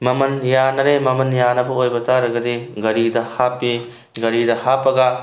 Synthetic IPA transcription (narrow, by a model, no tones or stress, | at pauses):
mɐmɐnjanɐɾemɐmɐnjanɐbɐojbɐtʰaɾɐɡɐdiɡɐɾidɐhapːi | ɡɐɾidɐhapːɐɡɐ